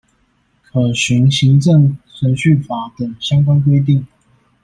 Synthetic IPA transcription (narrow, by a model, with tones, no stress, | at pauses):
kʰɤ˨˩ɕy˧˥ŋɕi˧˥ŋʈ͡ʂə˥˩ŋsə˧˥nɕy˥˩fa˧˥t̪ə˨˩ŋɕjɑ˥ŋkwa˥nk̬we˥ɪt̪̬i˥˩ŋ